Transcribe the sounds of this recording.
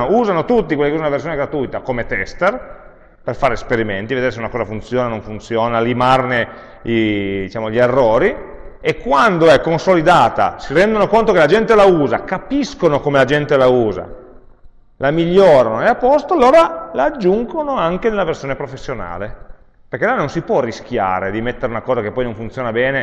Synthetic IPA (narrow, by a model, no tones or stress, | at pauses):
ouːzanot̪ut̪ːikwelːikeuonunaversjoneɡɾat̪ujt̪akomet̪ɛst̪er | perfaːɾespeɾiment̪ived̪eːɾes̬eunakɔːzafunt̪sjoːnanõɱfunt̪sjoːnalimarne | id̪it͡ʃaːmoʎierːoːɾiekːwand̪oɛkːonsolid̪aːt̪a̰siɾɛnd̪onokont̪okelad͡ʒɛnt̪elauːzakapiskonokomelad͡ʒɛnt̪elauːza̰ | lamiʎːoːɾanoeapːɔst̪oalːoːɾalaːd͡ʒːuŋɡonoaŋked̪elːaversjoːnepɾofesːjona̰ːle | perk̟elːanːonsipwɔrːisk̟ja̰ːɾed̪imet̪ːeɾeunakɔːzakepːɔjnõɱfunt̪sjoːnabɛːne